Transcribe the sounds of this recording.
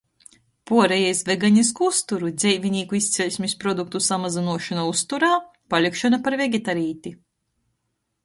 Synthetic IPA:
puɔɾejɛjsvɛɡaɲis̬kuust̪uɾud̪zʲɛjvʲinʲiːkuist̪sʲɛlʲsʲmʲispɾɔd̪uk̚t̪usamazinuɔʃanaust̪uɾaː | palʲikʃɔnapaɾvɛɡʲet̪aɾiːt̪i

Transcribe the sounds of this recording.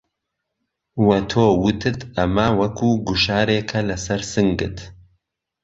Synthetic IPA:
wɐt̪ʰoːwut̪ʰɨt̪ɐmɐwɐkʰuːɡuʃaːɾeːkʰɐlɐsɐɾsɨŋɡɨ̰t̪

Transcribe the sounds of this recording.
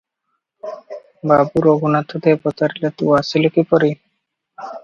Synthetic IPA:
babuɾoɡunat̪ʰːod̪epɔt̪aɾilet̪uasilokipɔɾi

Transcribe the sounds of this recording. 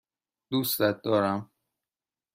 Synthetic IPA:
d̪ust̪æt̪̚d̪ɒːɾæm

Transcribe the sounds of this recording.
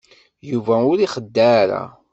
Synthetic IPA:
juvæʊɾiχəd̪ːaɾa̰

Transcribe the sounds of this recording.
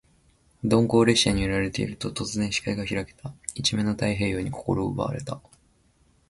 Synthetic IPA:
d̪õ̞ŋko̞ːɾe̞ɕaɲ̟ioɾaɾe̞t̪e̞̰ḭɾɯ̟t̪ot̪o̞t͡sɨzẽ̞ɰ̃ɕi̥kaiɡaçiɾake̥t̪ait͡ɕimẽ̞no̞t̪aiɦe̞ːjo̞ːɲ̟iko̞̥ko̞̰ɾo̞ːɯ̰ba̰a̰ɾe̞̰t̪a

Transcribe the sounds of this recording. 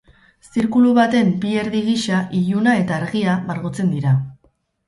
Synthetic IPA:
siɾkuluβat̪e̞mbie̞ɾðiɣiʃaʔiʎunae̞t̪aːɾɣiaβaɾɣot͡se̞nd̪iɾa

